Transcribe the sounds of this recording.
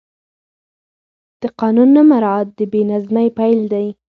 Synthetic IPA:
d̪̥əqɑnunːamaɾɑat̪̚d̪əbenazmajpajld̪aj

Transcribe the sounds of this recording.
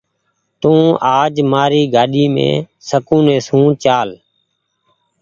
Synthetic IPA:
t̪ũːaːd͡ʒmaːɾiːɡaːɗiːmḛ̃ː | səkũːnẽːsũːt͡ʃaːl

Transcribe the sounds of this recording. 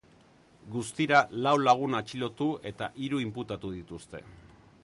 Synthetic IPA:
ɡust̪iɾalawlaɣ̞unat͡ʃilo̞t̪ue̞t̪a̰ʔiɾuimput̪at̪uðit̪ust̪e̞̰

